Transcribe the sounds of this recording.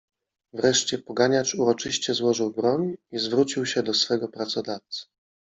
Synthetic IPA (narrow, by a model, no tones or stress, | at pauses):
vɾɛʂt͡ɕɛpɔɡaɲat͡ʂuɾɔt͡ʂɘɕt͡ɕɛzwɔʐɘwbɾɔɲizvɾut͡ɕiwɕɛd̪ɔsfɛɡɔpɾat̪sɔd̪aft̪s